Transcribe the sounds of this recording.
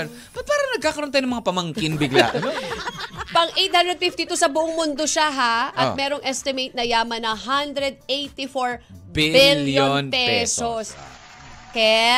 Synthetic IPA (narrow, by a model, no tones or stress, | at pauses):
n | pɐt̪̚paːɾɐŋnɐɡ̚kaːkɐɾonajonɐmɐŋapɐmɐŋkɪnbɪɡla̰ʔɐno | pɐŋʔejt̪hand̪ɾɛd̪̚fift̪it̪usɐbʊʔoŋmʊnd̪oʃaɦaʔɐt̚mɛːɾoŋʔɛst̪ɪmejt̪̚nɐjaːmɐnɐŋɦand̪ɾɛd̪̚ejt̪ifoɹ | bibiljonpɛɛsos | kɛ